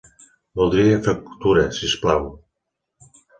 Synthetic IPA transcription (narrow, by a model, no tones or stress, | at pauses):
bulˠd̪ɾiefak̚kt̪uɾesisplaw